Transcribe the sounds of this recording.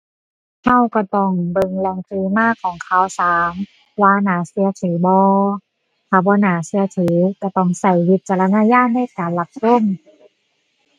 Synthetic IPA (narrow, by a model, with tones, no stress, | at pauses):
ha˧˥˨wka˧˩t̪ɔ˧˩ŋbɤ˧ŋlɛː˧ŋkʰliː˧maː˧˥˨kʰɔː˨˦ŋkʰa˧˩wsaː˨˦m | waː˧naː˨˦si˧˦ɐt̪ʰiː˨˦bɔː˧ | t̪ʰaː˧˩bɔː˧˦naː˨˦si˧˦ɐ˧t̪ʰiː˨˦ka˧˩t̪ɔ˧˩ŋsa˧˩jwi˧˦t̪̚t͡ɕa˧la˧naː˧˥˨jaː˧˥˩t̪̚na˧˥˨kaː˨nla˧p̚so˧˥˨m